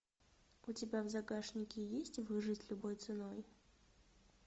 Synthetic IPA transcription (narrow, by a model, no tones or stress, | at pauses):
ʊtʲɪbʲavzɐɡaʂnʲɪkʲɪjesʲtʲvɨʐɨtʲlʲʊbojt̪sɨnoj